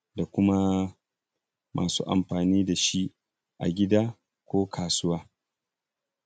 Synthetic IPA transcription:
da˨kʷʊ˦ma˦ | mʔa̰ː˨sṵː˦ʔa̰˨mɸaː˨niː˦da˨ʃi˦ʔ | ʔa̰˨ɡʲɪ˦daː˦ | kʷoː˦kʰaː˨sʊ˦waː˦

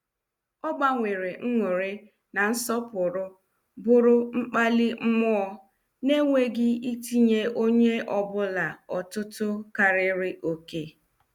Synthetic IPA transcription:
ɔ˦ɡ͡ba˦ŋʷe˨ɾe˨ŋ̩˦ŋʷe˨ɾɪ˦ | na˨n̩˦sɔ˦pʊ˨ɾʊ˦ | bʊ˦ɾʊ˦ŋ͡m̩˦k͡pa˦lɪ˦m̩˦mɔ˦ | ne˦ŋʷe˦ɡɪ˦i˦ti˦ɲe˦o˦ɲe˦ɔ˨bʊ˦la˨ɔ˨tʊ˦tʊ˦ka˨ɾɪ˦ɾɪ˦ʔo˨ke˦

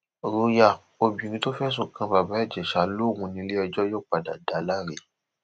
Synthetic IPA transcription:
ɾo˧ja˧˨ | o˧bĩ˨ɾ̃ĩ˧to˦fɛ˦s̬o˦˨kã˧ba˨ba˨˦ɛ˦˨d͡ʒɛ˨ʃa˨lo˦˨ŋũ˧nĩ˧˦le˦ɛ˧d͡ʒɔ˦joː˦˨k͡pa˨da̰˨da˨˦la˦ɾe˨

